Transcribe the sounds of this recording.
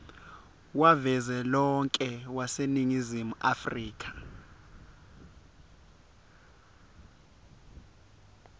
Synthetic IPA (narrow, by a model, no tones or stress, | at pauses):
wavɛzɛlɔŋkʼɛwaseniŋizimuʔafriːk̬ʼḁ